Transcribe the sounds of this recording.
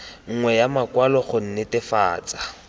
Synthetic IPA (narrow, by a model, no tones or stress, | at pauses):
ŋ̩ŋwɛjamakwalɔχʊn̩nɪtɪfaːt͡sʼḁ